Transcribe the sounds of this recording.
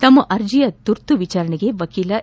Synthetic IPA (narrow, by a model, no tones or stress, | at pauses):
t̪ɐmːɐʔɐɾd͡ʒijɐt̪uɾt̪uʋit͡ʃaːɾɐɳeɡe̞ʋɐkiːlɐ